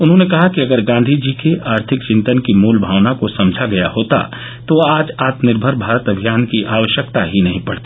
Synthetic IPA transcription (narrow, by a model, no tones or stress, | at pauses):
ʊnɦõnekɐɦakiɐɡəɾɡãːnd̪ʱid͡ʒiːkeʔaːɾt̪ʰɪkt͡ʃɪ̃nt̪ənkimuːlbʱaːʋnakosɐ̃md͡ʒʱaɡɐja̰hoːt̪a̰ | t̪oaːd͡ʒaːt̪nɪɾbʱəɾbʱaːɾət̪ɐbʱijaːnkiʔaːʋəʃjəkt̪aɦinɐɦĩpɐɽt̪e̥